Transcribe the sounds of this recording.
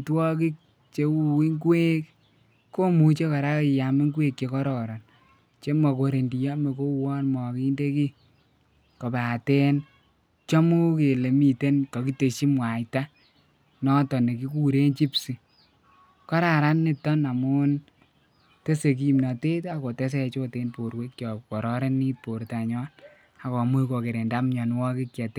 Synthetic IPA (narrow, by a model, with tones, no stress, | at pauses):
twɔ˦ki˦k̚ | t͡ʃe˨˦u˦i˦ŋɡwe˦kː | o˦mu˨t͡ʃe˦kɔ˨ɾa˦i˨ja˨mi˦ŋɡwe˦kt͡ʃe˨kɔ˦ɾɔ˨ɾɔ˨n | t͡ʃe˦mɔ˨ko˨ɾe˨ndi˨jɔ˦me˨ko˦wɔ˦nmɔ˨ki˦nde˦ki˦ | kɔ˨ba˨te˦n | t͡ʃɔ˦mu˦ke˨le˨mi˨te˦nkɔ˨ki˦te˨ʃi˦mwa˨jta˦ | nɔ˦tɔ˨ne˨k̬i˦ku˦ɾe˦nt͡ʃi˦psi˨ | kɔ˦ɾa˨ɾa˦nːi˦tɔ˦na˨mu˦n | te˦se˨k̬i˦mna˨te˦ta˨ko˨te˦s̬e˦˧t͡ʃo˦te˦npo˨ɾwe˦k̚t͡ʃɔ˨kɔ˨ɾɔ˦ɾe˦ni˦po˨ɾta˨ɲɔ˦n | a˨kɔ˨mu˦jko˨ke˨ɾe˨nda˦mɲɔ˨nwɔ˦ki˦kja˨te˦